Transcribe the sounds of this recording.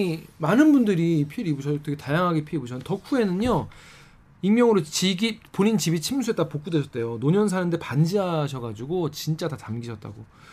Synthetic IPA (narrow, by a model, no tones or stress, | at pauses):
manɯnbundɯɾiːpʰiɾibuɕʰʌtʰekʰetajaŋɦaɡipʰiɾibuɕʰʌntʌkʰue̞nɯno | iŋmjʌŋɯɾot͡ɕiɡipoɲint͡ɕibit͡ɕʰimsʰuet͈apok͈udwe̞ɕʰʌt͈̚ʰe̞jonoɲʌnsʰanɯnde̞pand͡ʑiaɕʰʌɡad͡ʑuɡot͡ɕint͡ɕ͈atatamɡiɕʰʌt̚t͈a̰ɡo